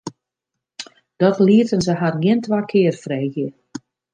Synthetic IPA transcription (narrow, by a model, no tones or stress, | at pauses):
d̥ɔtliətənzəɦarɡɪəntʋakʰɪərfrɛjɣjə